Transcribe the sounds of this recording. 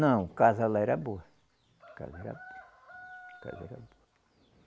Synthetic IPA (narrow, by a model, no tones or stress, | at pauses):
nɐ̃w̃kazɐlaɛɾɐboɐ | ka̰zɐɛɾɐ̰boɐ | ka̰zɐɛ̰ɾɐ̰boɐ